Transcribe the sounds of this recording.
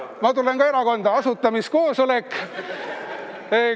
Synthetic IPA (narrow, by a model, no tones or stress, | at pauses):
mɑt̪ulenkɑe̞ɾɑko̞nd̪ɑɑsut̪ːˑɑmisko̞ːsolekː | e